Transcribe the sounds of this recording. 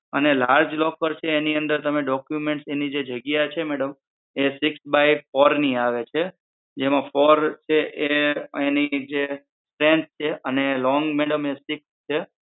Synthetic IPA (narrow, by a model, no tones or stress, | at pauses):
ənelaɾd͡ʒlɔkəɾt͡ʃʰeːniə̃nd̪əɾt̪əmeɖɔkjumẽɳʈsenid͡ʒed͡ʒəɡjat͡ʃʰemɛɽəm | esɪksbajfɔɾniaʋet͡ʃʰe | d͡ʒemãfɔɾt͡ʃʰeʔeenik̚d͡ʒe | sʈɾẽnt̪̚t͡ʃʰeʔənelɔ̃ŋɡmɛɽəmesɪkst͡ʃʰe